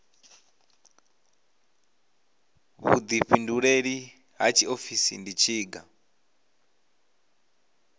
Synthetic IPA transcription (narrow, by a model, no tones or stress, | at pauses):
βṵd̪iɸinduɺeɺi | ɦa̰t͡ʃʰiofisḭndit͡ʃʰiːɡa